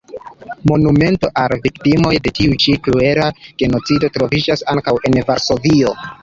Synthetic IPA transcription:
mo̞nume̞nto̞ʔalviktimo̞jde̞tiut͡ʃiklue̞ɾaɡ̥e̞no̞t͡sido̞tɾo̞vid͡ʒasaŋkawʔe̞nvaɾso̞vio̞

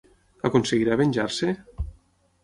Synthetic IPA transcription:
akonseɣiɾaβeɲʲʒaɾse

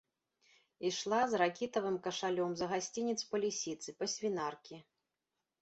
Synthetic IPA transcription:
iʂlˠazrakʲit̪ɐvɨmkɐʂalʲɔmzɐɣasʲt͡sʲinʲit̪spɐlʲisʲit̪sɨpɐsʲvʲinarkʲi

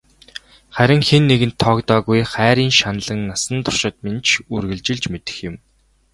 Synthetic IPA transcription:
χæɾʲɪ̆ŋxenːeɣɘ̆nt̪ʰːɔkt̪ɔːɣujχæːɾiːnʃanɮə̆ŋnasə̆nt̪ʰʊ̥r̥ʃɪ̆t̪̚ment͡ɕʰurɣɘ̆ɮt͡ɕɪ̆ɮt͡ɕmet̪ɘ̥̆xjɪ̆m

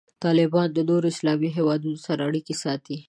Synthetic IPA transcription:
t̪ɑlɪbɑnd̪ənoɾoɪslɑmiɦewɑd̪unosaɾaːɽikesɑt̪i

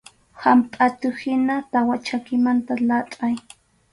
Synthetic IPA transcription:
hampʼat̪ʊhɪnat̪awat͡ʃakɪmant̪alatʼaj

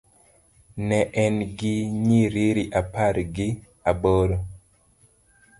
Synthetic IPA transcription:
nɛʔɛnɡɪɲiɾiɾiʔapaɾɡɪ | abɔɾɔ

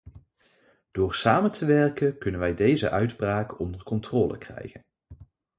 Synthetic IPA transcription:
d̥ʊːɹsaːməntʰəʋɛrkənkɵnənʋɛjdejzə̰ʔœɥdbraːkɔndərkɔntrɔːlə̰krɛ̰jχən

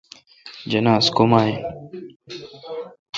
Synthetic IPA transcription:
d͡ʒɐnaːskomaːɦeː

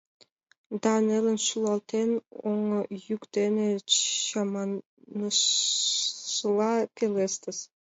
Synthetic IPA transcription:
d̪ɑnelənʃulˠɑlˠt̪enoŋəjykd̪enĕɑmɑn | nə | əlˠɑkʲelest̪ɘs

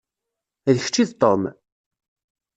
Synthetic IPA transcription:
ðəçə̥t͡ʃːiðt̪ˤːom

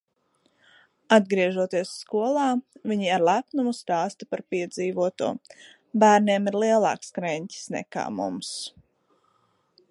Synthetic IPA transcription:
ad̪̚ɡɾiɛʒuɔt̪iɛsːkuɔlˠɑːvʲiɲiaɾlˠæpnumust̪aːst̪apaɾpiɛd̪ziːvuɔt̪uɔ | bæːɾniɛmiɾlˠiɛlˠɑ̰ːkskɾɛɲcʲi̥snɛ̰ka̰ːmṵms

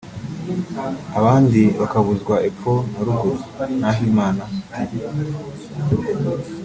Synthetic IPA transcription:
aβaːndiβakaβuzɡwaʔeponaɾuɡonaɦimaːna

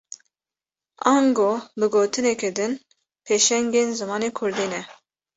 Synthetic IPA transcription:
ɑːŋɡoːbɨɡoːt̪ʰɨnɛkɛd̪ɨn | pʰeːʃɛŋɡeːnzɨmɑːneːkʰʊɾd̪iːnɛ

